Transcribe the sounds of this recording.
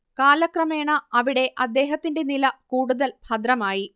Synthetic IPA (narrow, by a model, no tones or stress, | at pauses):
kaːlɐkrɐme̞ːɳɐɐʋiɽe̞ʔɐd̪ːe̞ːɦɐt̪ːinde̞nilɐkuːɽuðɐlb̥ʱɐd̪ɾɐmaːji